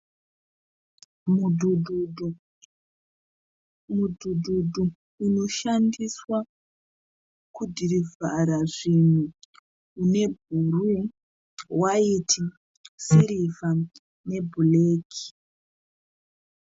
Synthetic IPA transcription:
udu | mudududʱu | uno̞ʃandiswa | kudʱiɾivʱaɾaʐinuː | ne̞bʱuru | waitʰi | siɾiva | ne̞bʱuleːki̥

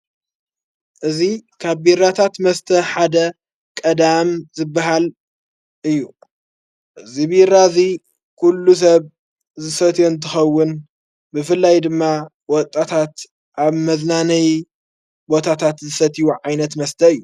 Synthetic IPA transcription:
ʔɨzikʰaβbiɾat̪ʰat̪mɐst̪ʰɐħad̪ɐ | kʼɐd̪amzɨbːaɦal | ʔɨjːu | ʔɨzibiɾazi | kʰulːus̬ɐβ | zɨsɐt̪ʰjont̪ʰɨxɐwːʊn | bɨfɨlːajd̪ɨmːa | wɔt̪ʼːat̪ʰat̪ | ʔaβmɐznanɐj | bo̞t̪ʰat̪ʰat̪zɨsɐt̪ʰijuʕajnɐt̪mɐst̪ʰɐɨjːu

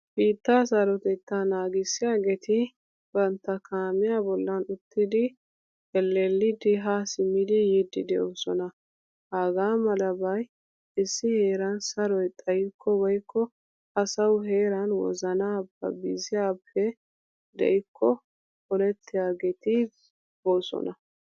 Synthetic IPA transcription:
biːt̪ːasɐɾɔt̪ɛt̪ːanaːɡɪsːɪjaːɡet̪ɪ | b̥ɐnt̪ːɐkʰaːmɪjaːbɔlːɐnʊt̪ʰːɪd̪ɪ | ɛlːelːɪd̪ɪɦasɪmːɪd̪ɪjɪd̪ɪd̪ɛʔosɔnɐ | haːɡaːmɐlɐbɐj | ɪsːɪhe̞ːɾɐnsɐɾɔjt̪ʼɐjɪkʰːɔbɔjkːɔ | ɐsɐwɦeːɾɐnwɔ̰zɐnaːbːɐ̰bɪzɪjaːpʰːɛ | d̪ɛ̰jɪkʰːɔ | kɔlɛt̪ʰːɪjaːɡɛt̪ɪ | boːsɔ̰nɐ

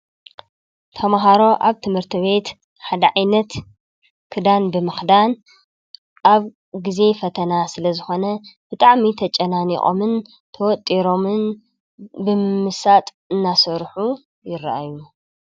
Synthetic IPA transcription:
t̪ʰɐmaɦaɾo̞ʔaβt̪ʰɨmhɨɾt̪ʰɨβe̞t̪ | ħad̪ɐʕajnɐt̪ | kʰɨd̪anbɨmɨxd̪an | ʔaβ | ɡize̞fɐt̪ʰɐnasɨlɐzɨxo̞nɐb̥ɨt̪ʼaʕmit̪ʰɐt͡ʃʼɐnanḭqʼo̞̰mɨn | t̪ʰɐwɔt̪ʼːiɾo̞mɨn | bɨmmɨsat̪ʼ | ɨnːasɐɾħu | jɪrːa̰ʔa̰ju

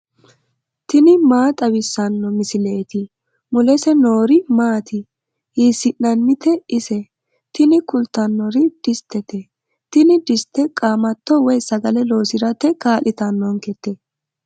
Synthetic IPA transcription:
t̪ɪnɪmaːt̪ʼɐwɪsːɐnːɔmɪsɪleːt̪ɪ | mʊlɛsɛno̞ːɾɪmaːt̪ɪ | hiːsɪʔːɐnːɪt̪ɛɪsɛ | t̪ɪnɪkʊlt̪ːɐnːɔɾɪd̪̥ɪst̪ʰːɛt̪ɛ | t̪ɪnɪd̪ɪst̪ːɛkʼaːmɐt̪ːɔwɔjsɐɡɐlɛlo̞ːsɪɾɐt̪ːɛkaːlʔɪt̪ɐnːɔŋkɛt̪ːɛ

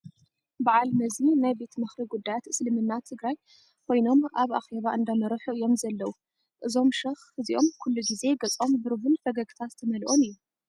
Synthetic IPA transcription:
baʕalmɐzinajbe̞t̪mɨxɾiɡud̪ːajat̪ɨslɨmɨnːat̪ʰɨɡɾaj | kʰo̞jno̞maβʔa̰xe̞βaʔɨnd̪amɐɾɐħuʔɨjo̞mzɐlːɐwu | ʔɨzo̞mʃɐxhɨziʔo̞mkʰulːuɡize̞ɡɐt͡sʼo̞mbɨɾvɨnfɐɡɐɡt̪ʰat̪t̪ʰɐmɐlʔo̞mɨjːu

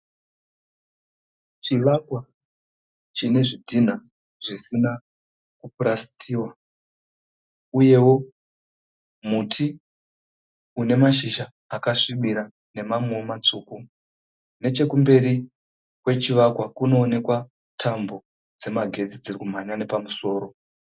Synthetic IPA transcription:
t͡ʃiʋakwa | t͡ʃine̞ʐidʱin̤a | ʐ̥isina | kupurasi̥tʰiːwa | uje̞wo̞ | mutʰi | une̞maʃiʃaːkaʂimiɾa | ne̞mamweomat͡ʂuku | ne̞t͡ʃe̞kumbe̞ɾi | kwe̞t͡ʃiʋakwakuno̞ːne̞kwa | tʰambo̞ | d͡ze̞maɡʱe̞d͡zid͡zirikum̤aɲane̞pamuso̞ːɾo̞

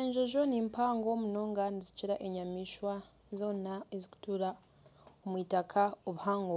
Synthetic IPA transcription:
eːɲʒoʒo̞niːmpaːŋɡomuno̞ːŋɡaniziciɾaʔe̞ɲamiʃwa | zo̞ːnaeziku̥tuːɾa | omwiːtakʰaoβuhaːŋɡo

